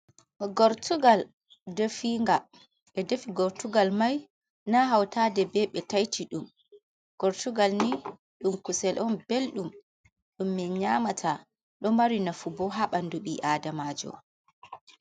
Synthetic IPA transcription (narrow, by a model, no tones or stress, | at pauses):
ɡɔɾtuɡal | defiŋɡa | ɛdefiɡɔɾtuɡalmaj | naɦawtadɛbɛɓɛtajtʰiɗum | ɡ̥ɔɾtuɡalni | ɗumkusɛlʔɔnbelɗum | ɗumːɛɲamatʰa | ɗɔmaɾinafubɔɦaɓanduɓiʔaːdamaːd͡ʒɔ̰